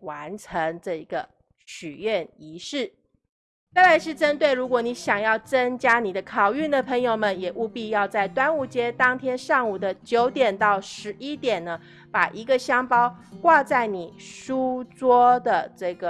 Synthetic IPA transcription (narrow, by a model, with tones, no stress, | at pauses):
wa˧˥nʈ͡ʂʰə˧˥ŋʈ͡ʂɤ˥˩i˧˥ɡə˨ | ɕy˨˩ɥɛ˥˩ni˧˥ʂɻ̩˥˩ | t͡sa˥˩ɪla˧˥ɪʂɻ̩˥˩ʈ͡ʂə˥nt̪we˥˩ɪɻu˧˥kwɔ˨˩ni˧˥ɕjɑ˨˩ŋjɑ˥˩ʊt͡sə˥ŋt͡ɕja˥ni˨˩d̪ə˦kʰɑ˨˩ʊy˥˩nd̪ə˩pʰɤ˧˥ŋjo˨˩ʊmə˨njɛ˨˩ʔu˥˧pi˥˧jɑ˥˧ʊt͡sa˥˩ɪt̪wa˥nu˥˩t͡ɕjɛ˥t̪ɑ˥ŋt̪ʰjɛ˥nʂɑ˥˩ŋu˨˩d̪ə˦t͡ɕjo˧˥ʊt̪jɛ˨˩nt̪ɑ˥˩ʊʂɻ̩˧˥ʔi˥t̪jɛ˨˩nnə˦ | pa˨˩ʔi˧˥ɡə˧ɕjɑ˥ŋpɑ˥ʊkwa˥˧t͡sa˥˩ɪni˨˩ʂu˥t͡swɔ˥d̪ə˨ʈ͡ʂɤ˥˩ɡə˩